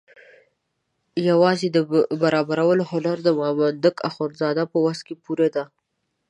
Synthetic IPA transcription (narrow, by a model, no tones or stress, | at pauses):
jawɑzed̪əbaɾɑbaɾawəloholaɾd̪əmɑmand̪əkaxoɾzɑd̪apəwaskepuɾad̪a